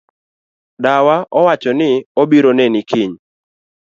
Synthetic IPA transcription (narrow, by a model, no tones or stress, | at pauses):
dawaʔɔwat͡ʃɔnɪobiɾonenɪkʰɪɲ